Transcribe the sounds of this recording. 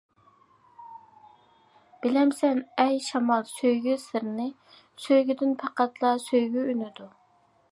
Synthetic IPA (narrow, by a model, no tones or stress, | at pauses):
b̥ɪlɛmsɛnɛjʃɑmɑlˠsøjɡʲysɨɾnɨ | søjɡʲyd̪ɪnpʰɑqæt̪ʰlˠɑsøjɡʲyynɪd̪u